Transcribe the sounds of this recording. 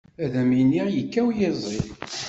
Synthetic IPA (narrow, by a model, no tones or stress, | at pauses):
æðæminiʁjəkːæwjɪzˤi